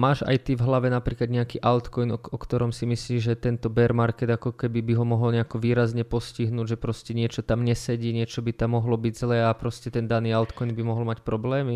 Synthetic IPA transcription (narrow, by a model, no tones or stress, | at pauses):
maːʒa̰jt̪ivɦlaʋɛnapɾiːklad̪ɲɛakiːʔalt̪kɔjnɔkt̪ɔɾɔmsimisliːʒɛt̪ɛnt̪ɔbɛɾmaɾkɛd̪akɔkɛbibiɦɔmɔɦɔlɲɛakɔʋiːɾazɲɛpɔsciɦnuːɟʒɛpɾɔscɛɲɪɛt͡ʃɔt̪amɲɛsɛɟiːɲɪɛt͡ʃɔbit̪amːɔɦlɔbiɟzlɛːapɾɔscɛt̪ɛnd̪aniːalt̪kɔjnbimɔɦɔlmacpɾɔblɛːmi